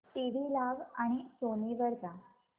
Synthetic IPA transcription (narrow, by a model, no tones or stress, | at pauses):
t̪eʋiːlaʋaɽ̃isoniʋəɾd͡za